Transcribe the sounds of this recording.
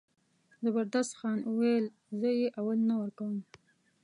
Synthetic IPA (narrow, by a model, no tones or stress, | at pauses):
zabaɾd̪ast̪xɑnuwejl | zəjeʔawalnawəɾkawəm